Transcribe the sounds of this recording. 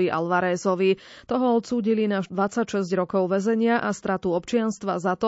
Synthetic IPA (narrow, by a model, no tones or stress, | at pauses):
iʔa̰lʋaɾɛːzɔʋi | t̪ɔɦɔɔt̪suːɟilinaʒd̪ʋat͡sacʃɛzɟɾɔkɔʊʋɛzɛɲɪaʔast̪ɾat̪uɔpt͡ʃɪanst̪ʋazat̪ɔ